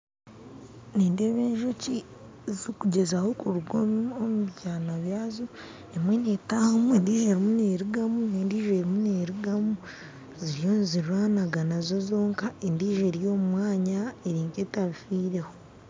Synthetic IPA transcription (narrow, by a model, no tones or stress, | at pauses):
niːndeβeːɲʒoci | zikuɟe̞zaho̞kuɾuɡoomuβɟaːnaβjaːzo | emwe̞netahomueːndiːʒe̞ɾimuneːɾuɡamuneːndiːʒeɾimuneːɾuɡamu | ziɾjo̞ːniziɾwaːnaɡanazo̞zo̞ːŋkaendiːʒe̞ɾijo̞ːmumwaːɲaeɾiːŋɡetaβifiːɾe̞ho